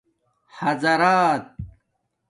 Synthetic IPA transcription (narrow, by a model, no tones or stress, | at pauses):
hɐzɐɾaːt̪̚